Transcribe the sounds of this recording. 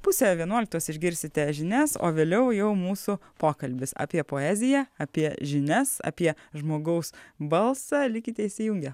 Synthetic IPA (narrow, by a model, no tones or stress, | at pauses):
pʊsʲɛʋʲiɛnuɔlʲɪkt̪uɔsɪʒʲɡʲɪɾʲsʲɪt̪ʲɛʒʲɪnʲɛso̰ːʋʲeːlʲɛʊjɛʊmuːsʊpoːkɐlʲbʲɪsɑ̰ːpʲiɛpoːæːzʲɪjæɐpʲiɛʒʲɪnʲɛsɐ̰pʲiɛʒmoːɡɐʊsbɐlˠsɑlʲɪkʲɪt̪ʲɛɪsʲɪjuːŋʲɡʲɛ